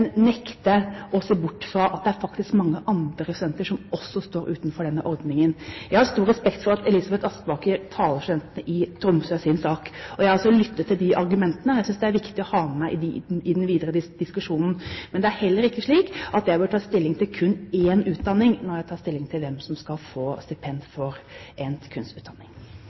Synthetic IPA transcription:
nnɛkt̪əʔɔseːbʊʈːfɾɑʔɑt̪̚d̪ɛæɾfɑkt̪ɪskmɑŋːəʔɑnd̪ɾəsʉd̪ɛnt̪əʂɔmɔsːɔst̪oːɾʔʉːt̪nfɔɖɛnːəʔɔɾd̪nɪŋənjæɪhɑɾst̪uːɾɛspɛkt̪fɔɾɑt̪ɛliːsɑbɛt̪ɑst̪bɑːkəɾt̪ʰɑːləɾʂʉd̪ɛnt̪ənəʔɪt̪ʰɾʊmsøːsɪnsɑːkɔjæɪɑlsɔlʏt̪ʰːət̪ʰːɪld̪ɪʔɑɾɡʉmɛnt̪ənəjæɪsʏnsd̪ɛæɾʋɪkt̪ɪɔhɑːəmæɪʔɪd̪ɪd̪ɛnʋiːd̪əɾəd̪ɪd̪ɪskʉʂuːnn̩mɛnd̪ɛæɾhɛlːəɾɪkːəʂɭiːkʔɑt̪jæbœʈʰɑːst̪ɪlːɪŋt̪ʰɪlkʰʉnːeːnʉːt̪̚d̪ɑnːɪŋnɔɾjæɪt̪ʰɑːst̪ɪlːɪŋt̪ʰɪlʋɛmsɔmskɑlfoːst̪ɪpʰɛnd̪fɔɾʔɛnkʰʉnsʉːt̪d̪ɑnːɪŋ

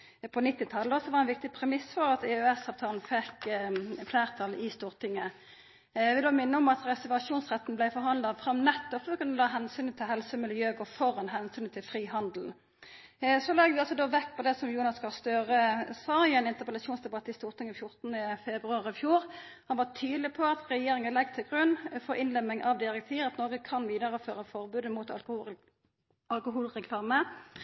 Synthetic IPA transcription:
pʰɔnɪt̪ːɪt̪ʰɑlːəɔsɔʋɑʁɛnʋɪk̚t̪ɪpʰʁɛmɪsfɔʁɑt̪ɛœɛsɑːʋt̪ʰɑːln̩fɛkfleːʁt̪ʰɑlɪst̪uːʁt̪ʰɪŋːə | ʋɪd̪oːmɪnːəɔmɑt̪ʁɛsəʋɑʂuːnsʁɛt̪n̩blæɪfɔʁhɑnd̪lɑfʁɑmnɛt̪ːɔpːkʉnːəlɑːɦɛnsyːnət̪ʰɪlɦɛlsəmɪljøːɡɔfɔʁɑnɦɛnsyːnt̪ʰɪlfʁiːhɑnd̪l̩n | sɔlɛɡʋɪɑlsɔd̪oːʋɛkːpʰɔd̪ɛsɔmjuːnɑskɑlst̪øːʁəsɑːɪɛnɪnt̪əʁpəlɑsuːnsd̪ɛbɑt̪ːəɪst̪uːʁt̪ʰɪŋɪfjʊʁt̪nəfɛbʁʉɑːʁɪfjuːɾhɑnʋɑt̪ʰyːd̪lɪpʰɔɑt̪ʁɛjeːʁɪŋənlɛɡt̪ʰɪlɡʁʉnːfɔɾɪnlɛmɪŋʔɑʋd̪ɪʁɛk̚t̪ʰiːʁɑt̪nɔːɡəkʰɑnʋiːd̪ɑʁəføːʁəfɔʁbʉːd̪əmuːt̪ | ɑlkʊɦuːlʁɛkʰlɑːmə

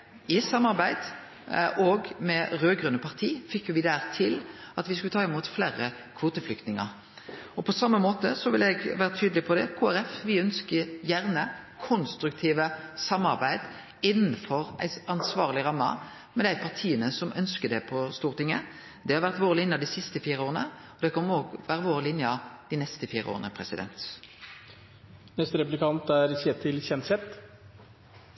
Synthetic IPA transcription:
ɪsɑmːɑʁbæɪd̪̥ | ʔoːɡmɛʁøːɡʁʉnːəpʰɑʁt̪ʰiːfɪkːjʊʋɪd̪æːʁt̪ʰɪlɑt̪ʋɪskʉlət̪ɑːɪmuːt̪fleːʁə | kʰʋoːt̪əflʏk̚t̪nɪŋə̰ʁ | ɔpʰɔsɑmːəmoːt̪əsɔʋɪlɛɡʋæːɾət̪ʰyːd̪əlɪpʰɔd̪ɛkʰuːæʁɛfʋɪœnskəjæʁnəkʰʊnst̪ɾʉkt̪ʰiːʋəsɑmːɑʁbæɪd̪ | ɪnːn̩fɔʁæ̰ɪɑnsʋɑːʁlɪʁɑmːɑ̰ | mɛd̪æɪpʰɑʁt̪ʰiːənəsɔmʔœnskəd̪ɛpʰɔst̪uːʁt̪ɪŋə | d̪ɛhɑɾʁʋæʁt̪ʋoːʁəlɪnjɑd̪ɪsɪst̪əfiːʁəoːʁənə | ɔd̪ɛkʰɔnːoːɡʋæːɾəʋoːʁəlɪnjɑd̪̥ɪnɛst̪əfiːʁəʔo̰ːʁənəpʰɾɛsɪd̪ɛ̰nt̪ | nɛst̪əɾɛpʉ̥lɪkʰɑnt̪æɾseːt̪ʰɪlçɛnsɛt̪

